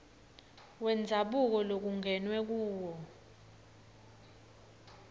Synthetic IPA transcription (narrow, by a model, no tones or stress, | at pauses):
wɛnd͡zʱaɓuk̬ɔlok̬uŋɛnwɛk̬uːwɔ